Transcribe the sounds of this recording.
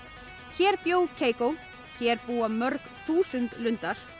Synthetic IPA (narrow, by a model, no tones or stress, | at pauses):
çɛɾpjoːwkʰeːjkow | çɛɾpuːamœɾkθuːsʏnt̪lʏnt̪aɾ̥